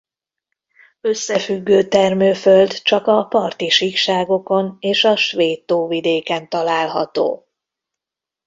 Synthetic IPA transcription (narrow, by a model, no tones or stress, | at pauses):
ø̞sːɛfyɡːøːt̪ɛrmøːføld̪t͡ʃɒkɒpɒrt̪iʃikʃaːɡo̞ko̞neːʃɒʃʋeːt̪ːoːvid̪eːkɛnt̪ɒlaːlɦɒ̰t̪o̰ː